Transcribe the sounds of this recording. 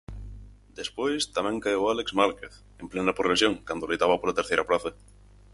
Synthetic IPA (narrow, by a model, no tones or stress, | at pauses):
d̪̥espwojst̪amẽŋkajowalekzmalkeθ | emplenapɾoβesjõŋkand̪olejt̪aβapolat̪eɾθejɾaplaθa